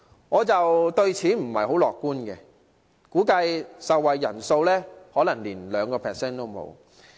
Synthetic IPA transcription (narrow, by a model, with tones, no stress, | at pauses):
ŋɔː˨˧t͡sɐ˨wt̪ɵ˧ɥt͡sʰiː˨˥m̩˨˩hɐ̰˨˩jho˨˥wlɔː˨kːuː˥nkɛ˧ | kuː˨˥kɐ˧jsɐ˨wːɐ˨jːɐ˨˩nso˧wlɛː˥hɔː˨˥lɐ˨˩ŋliː˨˩nlœː˨˧ŋkɔː˧pʰɛː˨sɛː˥nt̪o˥wmo̰˨˧w